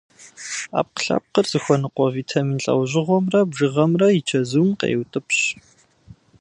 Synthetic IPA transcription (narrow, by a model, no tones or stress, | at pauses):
a̰ːp̚qə̥ɬɐ̰p̚qərz̥ɨxʷɔnɨqʷɔviːtʰɐminɬʼɐ̰wʑɪʁʷɔmrɐbʒɨʁɐmrɐjɪt͡ʃʰɐzuːmqḛːwtʼɨpɕ